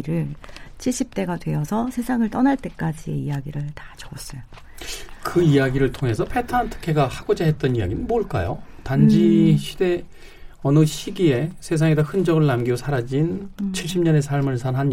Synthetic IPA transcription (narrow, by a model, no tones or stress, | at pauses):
ɾɯɭt͡ɕʰiɭɕ͈ip̚t͈e̞ɡadwe̞ʌsʰʌsʰe̞sʰaŋɯɭt͈ʌnaɭt͈e̞k͈ad͡ʑie̞̰ijaɡiɾɯɭtḁt͡ɕoʌs͈ʌjo | kɯijaɡiɾɯɭtʰoŋɦe̞sʰʌpʰe̞tʰantʰɯ̥kʰe̞ɡahaɡ̥od͡ʑaɦe̞t̚t͈ʌnija̰ɡinɯnboɭk͈a̰jo̰tand͡ʑiɕʰide̞ | ʌnɯɕʰiɡie̞sʰe̞s̬ʰaŋedahɯnd͡ʑʌɡɯɭnamɡiɡosʰaɾad͡ʑint͡ɕʰiɭɕ͈ʰimɲʌne̞sʰaɭmɯɭsʰanɦan